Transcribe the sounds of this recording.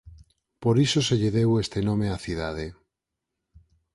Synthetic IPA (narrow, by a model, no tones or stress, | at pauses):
poɾisoseʎeðewest̪enõmeaθið̞að̞e